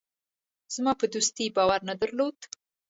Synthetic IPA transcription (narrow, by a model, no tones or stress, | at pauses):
z̥mɑpəd̪ust̪ibɑwaɾnad̪əɾlod̪̥